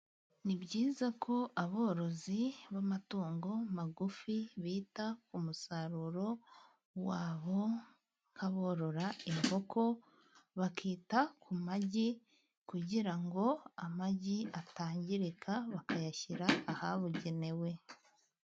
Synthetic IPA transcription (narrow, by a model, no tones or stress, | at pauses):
nibɟiːzakʰo̞ʔaβo̞ːɾo̞ziβamatuːŋɡo̞maɡufiβiːtakumusaɾuɾo̞ | waːβo̞ | ŋ̥kʰaβo̞ːɾo̞ɾaimɡo̞kʰo̞ | βakʰiːtakʰumaɟi | kuɟiɾaŋɡo̞amaɟiataːɲɟiɾekʰaβakajaçiɾaːhaβuɟe̞ne̞we̞